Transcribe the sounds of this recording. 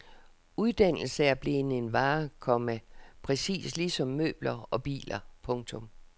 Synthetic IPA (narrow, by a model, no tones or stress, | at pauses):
uðˠd̥æn̰l̩səæɐb̥le̝ne̝nʋɑ̈ːkʰɒ̽məpʰʁɛsḭːsliːsɒ̽mːø̰ːb̥lɐɒ̽b̥ḭːlɐpʰɔ̽ŋt͡sʰɔ̽m